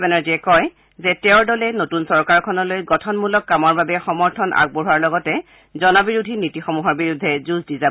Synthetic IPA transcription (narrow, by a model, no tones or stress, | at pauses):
bɛnaɹziɛkɔj | zɛtɛʊɹdɔlɛnotunsɔɹkaɹkʰɔnɔlojɡɔtʰɔnmulɔkːamɔɹbabɛxɔmɔɹtʰɔnʔa̰ɡ̚boɹuaɹlɔɡɔtɛ | zɔnɔbiɹudʱinitixɔmuɦɔɹbiɹudʱːɛzusdiza